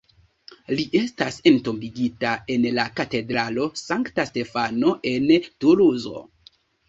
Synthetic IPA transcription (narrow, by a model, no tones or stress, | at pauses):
liʔe̞stase̞nto̞mbiɡitae̞nlakate̞dɾalo̞saŋktaste̞fano̞ʔe̞ntuluzo̞̰